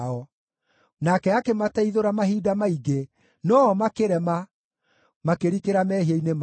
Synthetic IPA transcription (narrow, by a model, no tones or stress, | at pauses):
ɔ | nakɛakematɛiðoɾamaɦiːdamaiɡe | nɔmakeɾɛma | makeɾikeɾamɛhieinem